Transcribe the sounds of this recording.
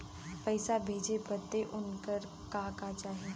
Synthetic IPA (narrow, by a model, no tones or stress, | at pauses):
pəɪsabʱeːd͡ʒepət̪ːeʔʊnkəɾ | kaːkat͡ʃaːɦeː